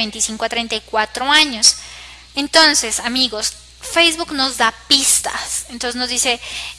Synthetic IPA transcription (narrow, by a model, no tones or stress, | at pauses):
ent̪isiŋkoat̪ɾent̪ajkwat̪ɾo̞aɲo̞s | ent̪o̞nse̞samiɣo̞s | fejzβukno̞zd̪apist̪a̰sent̪onsenozðd̪ise̞